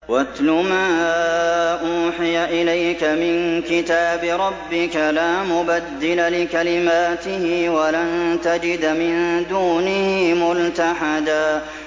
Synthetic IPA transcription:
wat̪lʊmaː | ʔuːħɪjaʔɪlajkamɪnkɪt̪aːbɪɾˤɑbːɪkalaːmʊbad̪ːɪlalɪkalɪmaːt̪ɪhɪwalant̪ad͡ʒɪd̪mɪnd̪uːnɪhɪmʊlt̪aħad̪aː

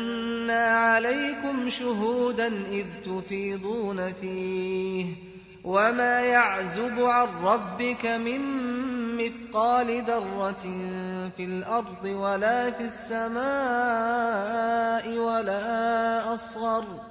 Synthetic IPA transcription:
annːaʕalajkʊmʃʊɦuːd̪anʔɪðt̪ʊfiːd̪ˤuːnafiːh | wamaːjaʕzʊbʊʕanːɑbːɪkamɪmː | ɪθqɑːlɪd̪ɑrˤːɑt̪ | fɪlʔɑɾˤd̪ˤɨwalaːfisːamaː | ʔɪwalaːʔɑsˤɣɑɾˤ

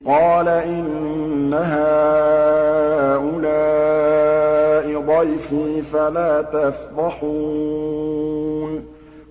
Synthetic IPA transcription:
qɑːlaʔɪnː | aɦaː | ʔʊlaː | ʔɪd̪ˤɑjfiːfalaːt̪afɾɑħu | n

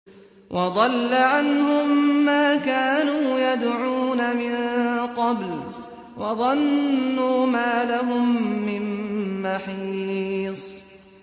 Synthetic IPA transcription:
wʔɑd̪ˤɑlːaʕanhʊmːaːkaːnuːjad̪ʕuːnamɪnqɑbl | wʔɑðˤɑnːuːmaːlaɦʊmːɪnːaħiːsˤ

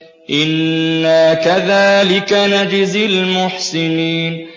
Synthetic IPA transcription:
ʔɪnːakaðaːlɪkanad͡ʒɪzɪlmʊħsɪniːn

